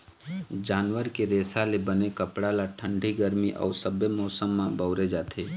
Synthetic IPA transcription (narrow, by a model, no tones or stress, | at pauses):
d͡ʒaːnʋəɾkeɾeːsalebənekəpɽalaʈʰə̃ɳɖʱiɡəɾmiʔɔ̰ːɾsəbemɔːsəmːãbəʊɾed͡ʒaːt̪ʰeː